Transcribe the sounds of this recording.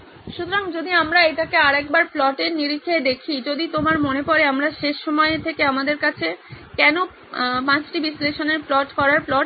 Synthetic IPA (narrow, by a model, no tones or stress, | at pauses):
ʃut̪oɾaŋd͡ʑod̪iamɾaet̪akeaɾɛk̚baɾplɔʈeɾniɾikʰːed̪ekʰid͡ʑod̪it̪omaɾmonepɔɾeamɾaʃeʃːɔmɔet̪ʰekeamad̪eɾkat͡ɕʰe | kɛno | pãt͡ɕʈibisleʃoneɾplɔʈkɔɾaɾplɔʈ